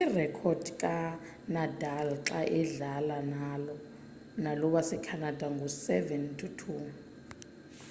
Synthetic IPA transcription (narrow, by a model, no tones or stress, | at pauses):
irɛkʰɔdkʼa | nadʱalǁaʔɛɮalanalɔ | nalɔɓasɛkʰanad̥ʱaŋɡʱusɛvɛntʰutʰu